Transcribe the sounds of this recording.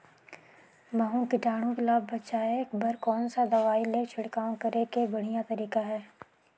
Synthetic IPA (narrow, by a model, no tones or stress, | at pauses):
mɐɦõkɪʈaːɽ̃õkelaːbːɐt͡ʃaːekbɐɾkɔːnsad̪ɐʋaːilet͡ʃʰɪɽkaːõkɐɾekebɐɽ̤ijat̪ɐɾiːkaɦɛː